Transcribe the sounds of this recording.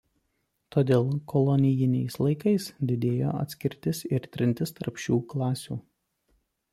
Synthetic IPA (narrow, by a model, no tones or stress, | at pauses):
t̪oːd̪ʲeːlˠkɔlˠɔnʲɪjɪnʲɛɪslˠɐɪkɐɪsd̪ʲɪd̪ʲeːjo̰ːɐ̰t̪ʲsʲkʲɪɾʲt̪ʲɪsɪɾt̪ʲɾʲɪnʲt̪ʲɪst̪ɐɾpʃʲuːklˠɑːsʲṵː